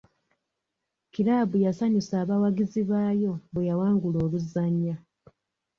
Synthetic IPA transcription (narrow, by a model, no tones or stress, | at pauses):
kiɾaːbujasaɲusaːβawaɡiziβaːjo̞βejawaːŋɡulo̞ːluzːaɲːa